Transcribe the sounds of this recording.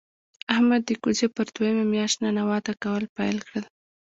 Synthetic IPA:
ahmad̪ːəkuzepəɾd̪wajəmamjɑʃt̪nanawɑt̪akawəlpajlkɽəl

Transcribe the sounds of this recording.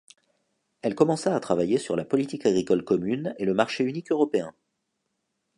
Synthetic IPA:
ɛlkɔmɑ̃saːt̪χavajesyʁlapɔlit̪ikaɡʁikɔlkɔmyneləmaʁʃeynikøʁɔpeɛ̃

